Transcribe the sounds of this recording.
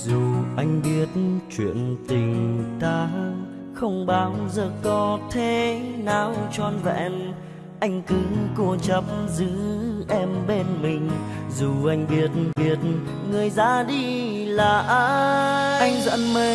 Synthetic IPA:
zu˨˩ʔa˧jŋ̟ɓi˧˩ət̚t͡ɕwḭ˧˨ənt̪ï˨˩ŋ̟t̪aː˧ | xə˧wŋ͡mɓaː˨˦wzəː˨˩kɔ˨˦t̪ʰe˧˦naː˨˩wt͡ɕɔ˧nvɛ̰˧˩˨n | ʔa˧jŋ̟kɨ˨˦ko˧t͡ɕə˨˧˩p̚mzɨ˨˦ʔɛ˧mɓe˧nmï˨˩ŋ̟zu˨˩ʔa˧jŋ̟ɓi˧˩ət̚nɓi˧˩ət̚ | ŋɨ˨˩əjza̰ː˧˥ɗi˧ | laː˨˩ʔaː˧ʔa˧jŋ̟zə̰˧˥nmə˧

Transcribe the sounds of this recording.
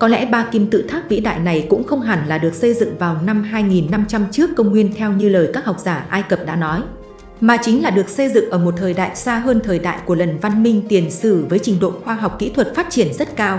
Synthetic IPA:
kɔ˨˦lɛ̰˧˥ɓaː˧ki˧mt̪ɨ̰˧˨t̪ʰaː˦˥k̚vḭ˧˥ɗa̰ː˧˨jna˨˩jkʊ̰˧˥ŋ͡mxə˧wŋ͡mɦa˨˩nlaː˨˩ɗɨ˨˩ək̚sə˧jzɨ̰˧˨ŋvaː˨˩wna˧mɦaː˧jŋi˨˩nːa˧mt͡ɕa˧mt͡ɕɨ˦˥əkːə˧wŋ͡mŋwi˧ənt̪ʰɛ˧wɲɨ˧ləː˨˩jkaː˦˥k̚ha˨˩wk͡p̚zaː˧˩ʔaː˧jkə˨˩p̚ɗa̰ː˧˥nɔ˨˦j | maː˨˩t͡ɕï˨˦ŋ̟laː˨˩ɗɨ˨˩ək̚sə˧jzɨ̰˧˨ŋʔəː˧˩mo˨˩t̚t̪ʰəː˨˩jɗa̰ː˧˨jsaː˧ɦəː˧nt̪ʰəː˨˩jɗa̰ː˧˨jku˧˩ələ˨˩nva˧nmï˧ŋ̟t̪i˨˩ənsɨ̰˧˩vəː˨˦jt͡ɕï˧˩ŋ̟ɗo̰˧˨xwaː˧ɦa˨˩wk͡p̚kḭ˧˥t̪ʰwə˨˩t̚faː˦˥t̚t͡ɕi˧˩ənzt̚kaː˧w

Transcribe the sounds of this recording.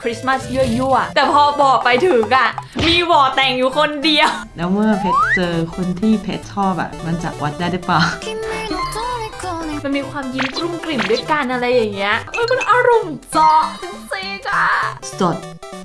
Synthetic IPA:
kʰɾi˦˥sma˥˩sjɯ˥˩juː˥˩ɐt̪ɛː˨˩pʰɔː˧bɔː˨˩k̚pa˧jt̪ʰɯː˨˩˦ŋʔa˧˩miː˧wɔː˨˩t̪ɛː˨˩ŋjuː˨˩kʰo˧ndi˧ə˧wlɛː˦˥wmɯ˥˩ɐpʰe˦˥t̪̚sɤː˧kʰo˧nt̪ʰiː˥˩pʰḛ˦˥t̪̚tʰɔː˥˩pa̰˨˩ma˧nt͡ɕa̰˨˩ʔwa˦˥t̪̚daː˥˩jɾɯ˦˥plaː˨˩wki˧nː˧˥˧kːma˧nmiː˧kʰwaː˧mji˧˥nkɾu˥˩ŋkli˨˩mdu˥˩ə˨jka˧nʔa˧ɾa˧jːa˨˩ŋːi˦˥ɐʔɤː˧˩jma˧nʔaː˧ɾu˨˧˩msɔː˨˦k̚t̪ʰŋsiː˧˩kʰa˧˥˩so˨˩t̪̚

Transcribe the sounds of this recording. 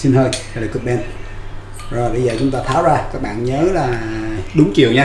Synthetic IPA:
si˧nhəː˧ja˨˧˩la˨˩kɨ˨˩ɓɛ˧n | zo˨˩jɓə˧jzəː˨˩t͡ɕʊ˨˦ŋ͡mt̪aː˧t̪ʰaː˨˦wzaː˧kaː˦˥k̚ɓa̰ː˧˨nɲəː˨˦laː˨˩ɗʊ˨˦ŋ͡mt͡ɕḭ˨əwɲaː˧

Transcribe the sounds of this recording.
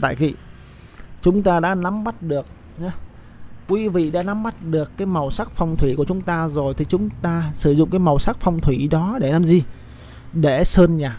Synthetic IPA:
t̪a̰ː˧˨jkḭ˧˨ | t͡ɕʊ˨˦ŋ͡mt̪aː˧ɗa̰ː˧˥na˨˦mːa˦˥t̚ɗɨ˨˩ək̚ | ɲa˨˦ | kwi˨˦vḭ˧˨ɗa̰ː˧˥na˨˦mːa˦˥t̚ɗɨ˨˩əkːaː˨˦jma˨˩wsa˦˥k̚fa˧wŋ͡mt̪ʰwi˧˩ku˧˩ət͡ɕʊ˨˦ŋ͡mt̪aː˧zo˨˩jt̪ʰi˨˩t͡ɕʊ˨˦ŋ͡mt̪aː˧sɨ˧˩zʊ̰˧˨ŋ͡mkaː˨˦jma˨˩wsaː˦˥k̚fa˧wŋ͡mt̪ʰwi˧˩ɗɔ˨˦ɗe˧˩naː˨˦mzi˧ | ɗe˧˩səː˧nɲaː˨˩

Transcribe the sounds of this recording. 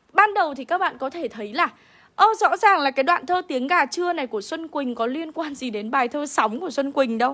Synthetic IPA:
ɓaː˧nɗə˨˩wt̪ʰi˨˩kaː˦˥k̚ɓa̰ː˧˨nkɔ˨˦t̪ʰe˧˩t̪ʰə˨˦jlaː˨˩ | ʔəː˧˩zɔ̰˧˥zaː˨˩ŋlaː˨˩kaː˨˦jɗwa̰ː˧˨nt̪ʰəː˧t̪i˨˦əŋɣaː˨˩t͡ɕɨ˧əna˨˩jku˧˩əswə˧nkwï˨˩ŋ̟kɔ˨˦li˧ənkwaː˧nzi˨˩ɗe˨˦nɓaː˨˩jt̪ʰəː˧sa˨˦wŋ͡mku˧˩əswə˧nkwï˨˩ŋ̟ɗə˧w

